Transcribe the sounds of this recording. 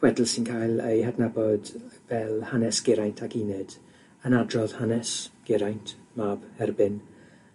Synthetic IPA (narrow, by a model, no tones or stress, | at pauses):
wɛdlˠsɪnkʰajlˠejhadnabɔdvɛlˠhanɛsɡ̥ɪɾajntʰaɡinɨd̥ | ənadrɔð̥hanɛsɡ̥ɪɾajntʰmabhɛrbɨn